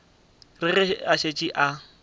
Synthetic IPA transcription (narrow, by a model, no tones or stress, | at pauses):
rɪrɪaʃet͡ʃʼiʔa